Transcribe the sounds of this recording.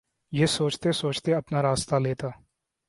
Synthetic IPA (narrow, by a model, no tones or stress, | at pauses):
jesoːt͡ʃt̪esoːt͡ʃt̪eɐpnaɾaːst̪aleːt̪a